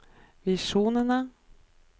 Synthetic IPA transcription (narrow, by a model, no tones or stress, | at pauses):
vɪʂuːnəna